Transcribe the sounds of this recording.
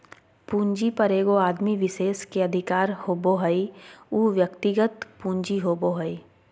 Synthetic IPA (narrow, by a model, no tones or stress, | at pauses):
pũːɲd͡ʒipɐɾeːɡoaːd̪miʋɪʃeːskeɐd̪ʱɪkaːɾhoːboɦəiuːʋjəkt̪ɪɡət̪pũːɲd͡ʒiɦoːboɦəi